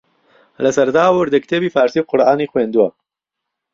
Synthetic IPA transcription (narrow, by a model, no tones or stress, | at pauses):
lɐsɐɾd̪aːwʊɾd̪əkt̪ʰeːbiːfaːɾsiːb̚qʊɾʔaːniːxweːnd̪uwɐ